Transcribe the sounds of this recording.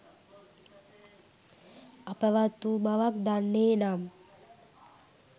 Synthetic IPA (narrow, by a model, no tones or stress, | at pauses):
apəʋat̪ːumaʋakd̪anːeːnam